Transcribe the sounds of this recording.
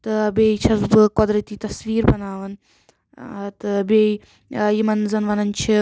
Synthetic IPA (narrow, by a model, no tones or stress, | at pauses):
t̪ɨbeːit͡ʃʰɐzbɨkɔd̪ɾɐt̪iːt̪ɐsʋiːɾbɐnaːʋɐn | t̪ɨbei | jimɐnzɐnʋɐnɐnt͡ʃʰi